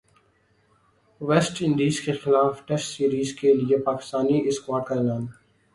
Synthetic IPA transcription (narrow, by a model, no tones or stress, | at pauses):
ʋɛːsʈɪ̃nɳɖiːzkexɪlaːfʈɛsʈsiːɾiːzkeliepaːkɪ̥st̪aːniɪskwaːɾɖ̚kaɛːlaːn